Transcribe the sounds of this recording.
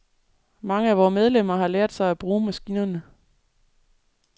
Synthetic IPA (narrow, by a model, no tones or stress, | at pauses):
mɑ̈ŋəæʋɒːmeð̞ˠlem̰ɐhɑ̈lɛːɐd̥sɑ̈ɪæb̥ʁuːmæsɡ̥iːnɐnə